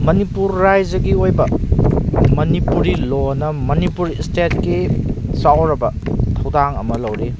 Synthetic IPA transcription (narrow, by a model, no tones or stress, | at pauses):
mɐnipuɾːajd͡ʒɐɡiojbɐ | mɐnipuɾilonɐmɐnipuɾistet̚kisawɾɐbɐtʰɐwdaŋɐmɐlɐwɾi